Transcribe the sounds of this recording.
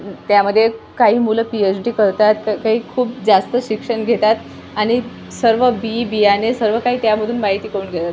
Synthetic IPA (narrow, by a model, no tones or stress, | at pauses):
t̪jaməd̪ʱːjekaɦiːmuləpiet͡ɕɖiːkəɾt̪at̪kkaɦiːkʰuːp̚d͡zast̪əɕikʂəɳɡʱet̪at̪ | aɽ̃i | səɾʋəbibianesəɾʋəkaɦiːt̪jaməd̪ʱuːnmaɦit̪iːkəɾuːnɡʱet̪at̪